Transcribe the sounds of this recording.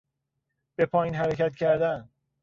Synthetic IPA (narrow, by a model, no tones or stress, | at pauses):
b̥e̞pʰɒːjiːnɦæɾecʰæt̪cʰæɾd̪æn